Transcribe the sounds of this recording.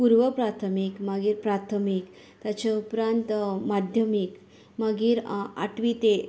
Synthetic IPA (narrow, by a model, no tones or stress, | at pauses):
puɾʋəpɾat̪ʰəmikmaɡiːɾpɾat̪ʰəmik | t̪at͡ɕaupɾant̪mad̪ʱjəmik | maɡiːɾa̰ʈʋit̪e